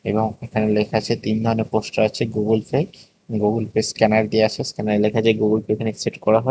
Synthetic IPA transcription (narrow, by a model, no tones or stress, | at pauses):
eboŋekʰanelekʰat͡ɕʰet̪ind̪ʱɔɾoneɾposʈaat͡ɕʰeɡuɡulfe | ɡuɡulpeskɛnaɾd̪ieat͡ɕʰeskɛnaɾelekʰat͡ɕʰaɡuɡulfeekʰaneseʈkɔɾaɦɔe